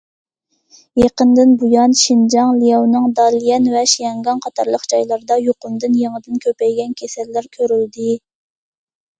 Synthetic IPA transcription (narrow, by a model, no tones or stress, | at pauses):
jeqənd̪ɪnbujɑnʃind͡ʒɑŋlijɑwnɨŋd̪ɑlijɛnvɛʃijɑŋɡɑnqʰɑt̪ʰɑɾlˠəqd͡ʒɑjlˠɑɾd̪ɑjoqʊnd̪ɨnjeŋəd̪ɪnkʲʰøpɛjɡʲɛnkʲʰesɛlːæɾkʲʰøɾyld̪ɪ